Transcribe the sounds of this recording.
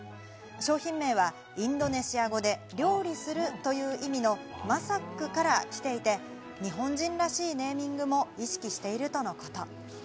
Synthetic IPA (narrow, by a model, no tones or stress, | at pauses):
ɕo̞ːçĩmːe̞ːβa | ĩnd̪o̞ne̞ɕiaɡo̞d̪e̞ɾʲo̞ːɾʲisɨɾɯ̟t̪o̞jɯ̟ːʔimʲino̞masakːɯ̟kaɾakʲi̥t̪e̞it̪e̞ | ɲ̟iɦõ̞ɲd͡ʑĩnɾaɕiːne̞ːmʲĩŋɡɯ̟mo̞iɕi̥kʲiɕi̥t̪e̞iɾɯ̟t̪o̞no̞ko̞̥t̪o̞